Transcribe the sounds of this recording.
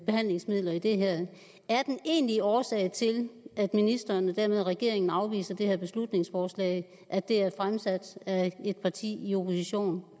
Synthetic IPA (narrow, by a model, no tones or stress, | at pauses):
b̥e̝hæn̰le̝ŋsmið̞̰ˠlɐid̥e̝ɦæɐ̰ | æɐd̥ene̝̰ːnliɒːsɛ̰ːɪt͡sʰe̝læd̥minisd̥ɐːnəd̥æɐ̰með̞ˠʁɛɡ̥e̝ɐe̝ŋn̩ɑ̈ʊʋḭːsɐd̥e̝hæɐ̰b̥e̝slud̥ne̝ŋsfɒːslɛ̰ɪ | ʔæd̥e̝æɐfʁamsæd̥æe̝d̥̚pʰɑ̈t͡sʰḭːio̝pʰo̝siɕo̝̰ːn